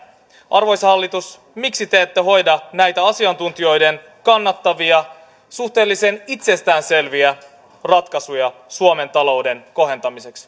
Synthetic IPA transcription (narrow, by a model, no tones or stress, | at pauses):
ʔɑrʋo̞jshɑlːit̪us | miksit̪eːt̪ːeɦo̞jdɑnæjt̪æɑsiɑnt̪unt̪io̞jde̞n | kɑnːɑt̪ːɑʋiɑ | suht̪e̞ːlːisenit̪se̞st̪æːnse̞lʋiæ | rɑt̪kɑsujɑsuome̞nt̪ɑlo̞wde̞nko̞ɦe̞nt̪ɑmise̞ks